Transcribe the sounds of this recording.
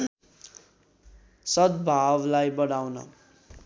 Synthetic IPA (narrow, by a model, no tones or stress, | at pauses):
sʌd̪bʱawlajbʌɽawnʌ̰